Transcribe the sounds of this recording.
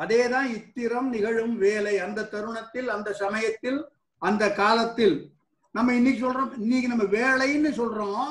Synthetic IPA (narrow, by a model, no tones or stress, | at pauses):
ɐðeːðãːɪt̪ːɪɾɐmnɪɣɐɻɯmʋeːlɐɪɐnd̪ɐt̪ːɐɾɯɳɐt̪ːɪlɐnd̪ɐsɐmɐjɐt̪ːɪl | ɐnd̪ɐkaːlɐt̪ːɪl | nɐmːɐɪnːɪkːɯsɔlɾõːɪnːikːɯnɐmːɐʋeːlɐjɪnːɯsɔlɾõː